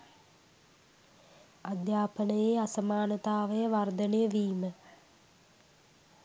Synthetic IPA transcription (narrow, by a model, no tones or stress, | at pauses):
ad̪jaːpənəjeːasɐmaːnət̪aːʋəjəʋard̪ənejəʋiːmə